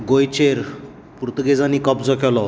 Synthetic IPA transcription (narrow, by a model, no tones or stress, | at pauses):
ɡojt͡ɕeɾ | puɾt̪ɡed͡zanikəpd͡zɔkʰɛlɔ